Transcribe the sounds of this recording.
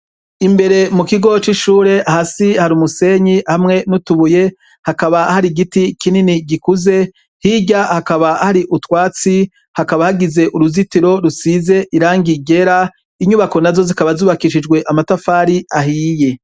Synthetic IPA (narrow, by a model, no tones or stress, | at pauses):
imbe̞ɾe̞mukiɡo̞t͡ʃiʃuːɾe̞ʔahasihaɾumuse̞ɲihamŋe̞nutuβuje̞ | hakaβahaɾiɡitikininiɡikuze̞ | hiɟahakaβahaɾiʔutwaːt͡si | hakaβahaɡize̞ʔuɾuzitiɾo̞ɾusize̞ʔiɾaːŋɡiɡe̞ɾa | iɲuβako̞nazo̞zikaβazuːβakiʃid͡ʒɡwe̞ʔamatafaːɾiaɦiːje̞